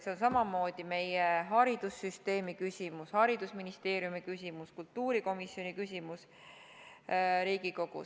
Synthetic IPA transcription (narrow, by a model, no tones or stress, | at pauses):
seonsɑmɑmo̞ːd̪̥ime̞jeɦɑɾid̪̥usːyst̪e̞ːmikysʲimushɑɾid̪usminist̪e̞ːɾjumikysʲimuskult̪ːuːɾiko̞misjo̞nikysʲimus | ɾiːɡ̥iko̞ɡ̥ṵ